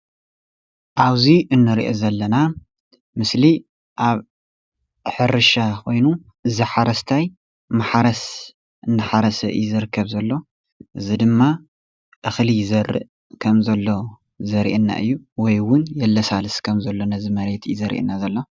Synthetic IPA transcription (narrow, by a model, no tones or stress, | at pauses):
ʔaβziʔɨnːɨɾiʔo̰zɐlːɐna | mɨsli | ʔaβ | ħɨɾɨʃakʰo̞jnu | ʔɨziħaɾɐst̪ʰaj | maħaɾɐs | ʔɨnːɨħaɾɐsɐ̰ʔɨ̰jzɨɾɨkʰːɐβzɐlːo̞ | ʔɨzid̪ɨmːa | ʔɨxlizɐrɨ̰ʔ | kʰɐmzɐlːo̞ | zɐɾḭʔɨnːa̰ʔɨ̰jːuwɔjwʊnjɛlːɐsalɨskʰɐmzɐlːo̞nɐzimɐɾe̞t̪ʰjizɐɾḭʔɨ̰nːazɐlːo